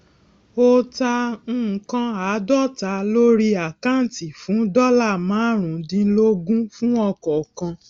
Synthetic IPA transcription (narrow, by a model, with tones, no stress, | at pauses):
o˦tã˧˦˨kã˧a˨˦dɔ˦˨ta˨˦lo˦ɾi˦a˨kã˦n˨ti˨fũ˨˦dɔ˦la˦˨mãː˨˦ɾ̃ũ˨˦dĩ˧˦lo˦ɡũ˦fũ˦ɔ˧kɔ˨kã˧